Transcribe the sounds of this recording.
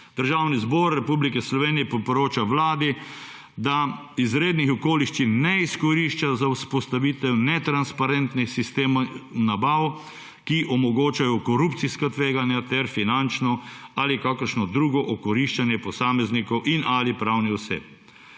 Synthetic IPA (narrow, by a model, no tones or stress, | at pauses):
d̪əɾʒaːwnizbɔɾːɛpublikɛslɔʋeːnijɛpɔpɾoːt͡ʃaʋlaːd̪i | d̪a | izɾeːd̪nixɔkoːliʃt͡ʃinnɛiskɔɾiʃt͡ʃazawspɔst̪aʋiːt̪ɛwnɛt̪ɾanspaɾɛnt̪nixsist̪eːmanabaw | kiʔɔmɔɡoːt͡ʃajɔkɔɾupt̪siskat̪ʋeːɡanjat̪ɛɾfinant͡ʃnɔalikakəɾʃnɔd̪ɾuːɡɔʔɔkɔɾiʃt͡ʃanjɛpɔsaːmɛznikɔwʔinalipɾawniɔsḛp̚